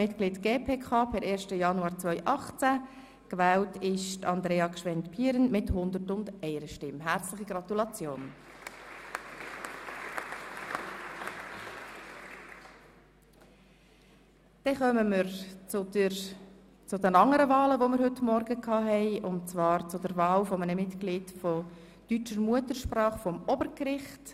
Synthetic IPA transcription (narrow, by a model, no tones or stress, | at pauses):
ɪtkliːtɡ̥eːpʰeːkʰɑːpʰɛɾʔeːɾʃtəjɑnuɑːɾt͡sʋœʏʔɑχt͡sæ | kʋæːltʰɪʃtɑnd̪ɾeːɑkʃʋɛntpʰiːəɾənmɪthʊnd̪ətʊnd̥̪ɛɪɾəʃtɪmɦæɾt͡slɪχiɡɾɑt̪ulɑt͡sjoːn | d̥ɛχœməməɾ | t͡sʊdɛnɑŋːəɾəvɑːləʋomɪɾhɦɵtmɔɾɡəkʰɑːɦɛɪʊntt͡svɑːɾt͡sʊdɛɾvɑːlfɔmənəmɪtklɪːdfɔ | tyt͡ʃəɾmuətəɾʃprɑːχfɔmɔbəɾkrɪχt